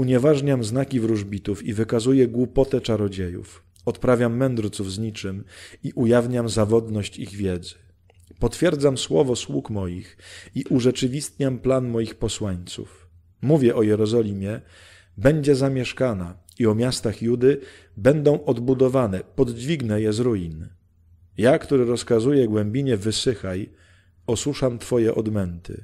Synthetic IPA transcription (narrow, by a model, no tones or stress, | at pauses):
uɲɛvaʐɲamznakʲivɾuʐbʲit̪ufivɘkazujɛɡwupɔt̪ɛt͡ʂaɾɔd͡ʑejṵf | ɔt̪pɾavʲjamːɛnd̪ɾt̪suvzɲit͡ʂɘmiʔujavɲamzavɔd̪nɔɕt͡ɕiɣvʲjɛd̪zɘ̥ | pɔt̪fʲjɛɾd̪zamswɔvɔswukmɔjixiʔuʐɛt͡ʂɘvʲist̪ɲamplanmɔjixpɔswaɲt̪sṵf | muvʲjɛʔɔjɛɾɔzɔlʲimʲjɛ | bɛɲd͡ʑɛzamʲjɛʂkana | iɔmʲjast̪axjud̪ɘ | bɛnd̪ɔ̃w̃ʔɔd̪bud̪ɔvanɛpɔd̪d͡ʑvʲiɡnɛjɛzɾujin | jakt̪uɾɘɾɔskazujɛɡwɛmbʲiɲɛvɘsɘxaj | ɔswuʂamt̪fɔjɛʔɔd̪mɛnt̪ʰɘ̰